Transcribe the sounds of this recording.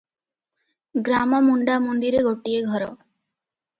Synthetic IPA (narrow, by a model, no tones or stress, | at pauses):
ɡɾamɔmuɳɖamond̪iɾeɡoʈieɡʱɔɾɔ